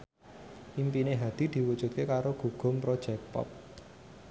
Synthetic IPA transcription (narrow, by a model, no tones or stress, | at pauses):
ʔimpineɦad̪̥i̤d̪̥i̤wud̥ʒ̥ṳt̪̚kekaɾoɡ̥ṳɡ̥ʊ̤mpɾɔd̥ʒ̥ɛk̚pɔ̰p̚